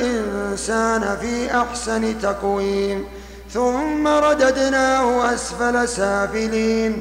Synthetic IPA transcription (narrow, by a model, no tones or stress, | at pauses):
ʔɪnsaːnafiːʔaħsanɪt̪ɑqwiːn | θʊmːaɾˤɑd̪ad̪naːhʊʔasfalasaːfɪliːn